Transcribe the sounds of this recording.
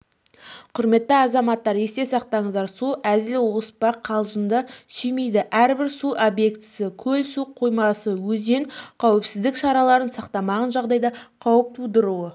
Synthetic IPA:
qʰʊɾme̞t̪ːɪɑzɑmɑt̪ːɑɾe̞st̪e̞sɑq̚t̪ɑɴəzd̪ɑɾsuʔæzɪlwospɑqʰɑlˠʒənd̪əsʏjme̞jd̪ɪʔæɾbɪɾsuʔobje̞kt̪ɪ̥sɪkʲʰɵlsuqʰo̞jmɑsəwɵzd̪e̞nqʰɑwɪpsɪzd̪ɪkʃɑɾɑlˠɑɾənsɑqt̪ɑmɑʁənʒɑʁd̪ɑjd̪ɑqʰɑwəp̚t̪ʰud̪əɾuwə

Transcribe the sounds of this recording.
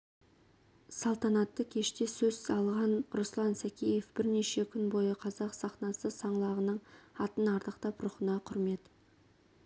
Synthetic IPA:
sɑlˠt̪ɑnɑt̪ːəkʲʰe̞ʃt̪e̞sɵz̥sɑlˠʁɑnɾʊslˠɑnsækʲeje̞fb̥ɪɾne̞ʃe̞kʲʰʏnbo̞jəqʰɑzɑqsɑχnɑsəsɑɴlˠɑʁənəɴɑt̪ənɑɾt̪əqt̪ɑprʊχənɑqʰʊɾme̞t̪

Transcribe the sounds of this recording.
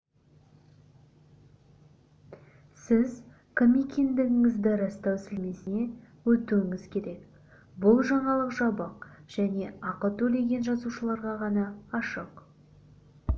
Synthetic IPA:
sɪz | kʰomʲikʲʰend̪ɪɡʲɪŋɪzd̪ɪɾɑst̪ɑwsɪlme̞sɪne̞ | wɵt̪uwɪŋɪz̥kʲʰe̞ɾe̞k | bʊlˠʒɑɴɑlˠəqʒɑbɑqʒ̥æne̞ɑqət̪ɵle̞ɡʲe̞nʒɑzuʃəlˠɑɾʁɑʁɑnɑːʃəq

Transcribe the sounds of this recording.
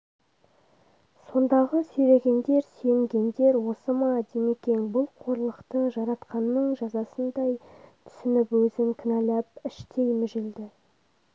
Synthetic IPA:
so̞nd̪ɑʁəsɵjɾe̞ɡʲe̞nd̪e̞ɾse̞ŋɡʲe̞nd̪e̞ɾwo̞səmɑd̪eme̞kʲe̞nbʊlˠqʰo̞ɾlˠəqt̪əʒɑɾɑt̪qɑnːəɴʒɑzɑsənd̪ɑjt̪ʰʏ̥sʏnɪpwɵzɪŋkʲʰɪnælæp̚ɪʃt̪ʰe̞jmʏʒɪld̪ɪ

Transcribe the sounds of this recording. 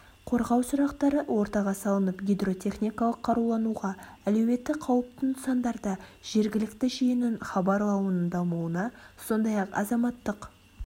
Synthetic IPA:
qʰo̞ɾʁɑwsʊɾɑqt̪ɑɾəwʔo̞ɾt̪ɑʁɑsɑlˠənəpɡʲijd̪ro̞t̪ʲʰe̞χnʲijkɑlˠəqʰːɑɾulˠɑnuʁɑælewe̞t̪ːɪqʰɑwəp̚t̪ənsɑnd̪ɑɾd̪ɑʒ̥e̞ɾɡʲɪlɪkt̪ɪʒijɪnɪnχɑbɑɾlˠɑwənənd̪ɑmuwənɑso̞nd̪ɑjɑqɑ̰zɑmɑt̪ːəq

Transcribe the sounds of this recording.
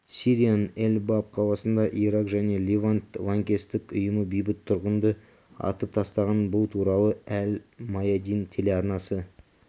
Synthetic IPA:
sʲiɾijanelʲbap̚qʰɑlˠɑsənd̪ɑʔiɾɑqʒæne̞lʲivant̪lˠaŋkʲe̞st̪ɪkʊjəməbijbɪt̪ʰːʊɾʁənd̪ə | ɑ̰t̪əp̚t̪ʰɑst̪ɑʁɑnbʊlˠt̪ʰuɾɑlˠəælmɑjad̪ijnt̪ʰe̞leɑɾnɑsə

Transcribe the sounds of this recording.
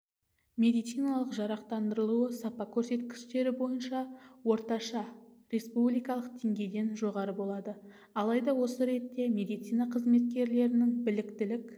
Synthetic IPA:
mʲe̞d̪ijt̪sijnɑlˠəqʒɑɾɑqt̪ɑnd̪əɾəlˠuəsɑpɑkʲʰɵɾse̞t̪kʲɪ̥ʃt̪e̞ɾɪbo̞jənʃɑwo̞ɾt̪ɑʃɑɾe̞spublijkɑlˠəqd̪e̞ŋɡʲe̞jd̪e̞nʒo̞ʁɑɾəbo̞lˠɑd̪ə | ɑlˠɑjd̪ɑwo̞səɾe̞t̪ːe̞mʲe̞d̪ijt̪sijnɑqʰəzme̞t̪̚kʲe̞ɾle̞ɾɪnɪŋbɪlɪkt̪ɪlɪkʲ

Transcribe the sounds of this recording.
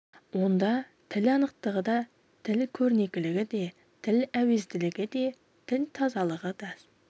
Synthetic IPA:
wo̞nd̪ɑ | t̪ʰɪlɑnəq̚t̪əʁəd̪ɑ | t̪ʰɪlkʲʰɵɾne̞kʲɪlɪɡʲɪd̪e̞ | t̪ʰɪlæwe̞zd̪ɪlɪɡʲɪd̪e̞ | t̪ʰɪlt̪ʰɑzɑlˠəʁəd̪ɑ

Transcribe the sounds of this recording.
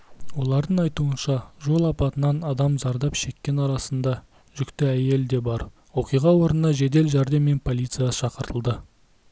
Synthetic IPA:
wo̞lˠɑɾd̪əɴɑjt̪uənʃɑʒo̞lˠɑpɑt̪ənɑnɑd̪ɑmzɑɾd̪ɑpʃe̞kʲːe̞nɑɾɑsənd̪ɑ | ʒʏkt̪ɪæje̞ld̪e̞bɑɾ | wo̞qijʁɑwo̞ɾənnɑʒe̞d̪e̞lʒɑɾd̪emːe̞npʰo̞lʲijt̪sɨijaʃɑqəɾt̪ʰəlˠd̪ə

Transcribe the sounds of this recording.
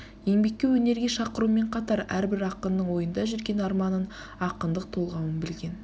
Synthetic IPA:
je̞ŋbe̞kʲːe̞wɵne̞ɾɡʲe̞ʃɑqəɾume̞ɴqʰɑt̪ɑɾæɾbɪɾɑqənːəɴwo̞jənd̪ɑʒʏɾɡʲe̞nɑɾmɑnən | ɑqənd̪əq̚t̪ʰo̞lˠʁɑwənbɪlɡʲe̞n

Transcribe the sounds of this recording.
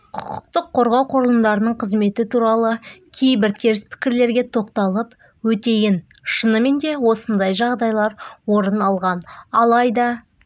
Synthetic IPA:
qʰʊ̥qə̥qt̪əqʰːo̞ɾʁɑwqʰoɾlˠənd̪ɑɾənəɴqʰəzme̞t̪ɪt̪ʰuɾɑlˠəkʲʰe̞jbɪɾt̪ʰe̞ɾɪspʰɪ̥kʲɪɾle̞ɾɡʲe̞t̪ʰo̞qt̪ɑlˠəp | wɵt̪e̞jɪn | ʃənəme̞nd̪e̞wo̞sənd̪ɑjʒɑʁd̪ɑjlˠɑɾwo̞ɾənɑlˠʁɑnɑlˠɑjd̪ɑ

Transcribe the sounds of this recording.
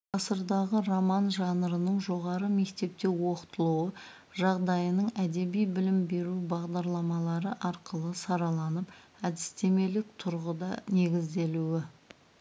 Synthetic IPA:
ɑsəɾd̪ɑʁəromɑnʒɑnəɾənəɴʒo̞ʁɑɾəme̞kt̪e̞p̚t̪e̞wo̞qə̥t̪əlˠuə | ʒɑʁd̪ɑjənəɴæd̪e̞bijbɪlɪmbe̞ɾubɑʁd̪ɑɾlˠɑmɑlˠɑɾəʔɑɾqəlˠəsɑɾɑlˠɑnəp | æd̪ɪst̪e̞me̞lɪk̚t̪ʰʊɾʁəd̪ɑne̞ɡʲɪzd̪e̞luɪ

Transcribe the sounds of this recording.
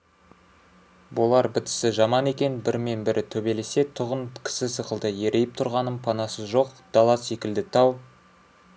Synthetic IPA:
bolˠɑɾbɪt̪ɪ̥sɪʒɑmɑne̞kʲe̞nbɪɾme̞nbɪɾɪt̪ʰɵbe̞lese̞t̪ʰʊʁənkʲʰɪ̥sɪsəqəlˠd̪əje̞ɾʔe̞jɪp̚t̪ʰʊɾʁɑnəmpʰɑnɑsəzʒo̞qd̪̥ɑlˠɑse̞kʲɪld̪ɪt̪ʰɑw

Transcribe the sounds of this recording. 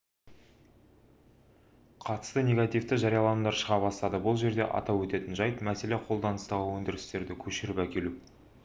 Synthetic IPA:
qʰɑt̪ə̥st̪ənʲe̞ɡat̪ijft̪əʒɑɾijɑlˠɑmnd̪ɑɾʃəʁɑbɑst̪ɑd̪əbʊlˠʒe̞ɾd̪e̞̰ʔɑ̰t̪ɑpwɵt̪e̞t̪ɪnʒɑjt̪mæse̞le̞qʰo̞lˠd̪ɑnəst̪ɑʁəwɵnd̪ɪɾɪst̪e̞ɾd̪ɪkʲʰɵʃɪɾɪpækʲe̞lu

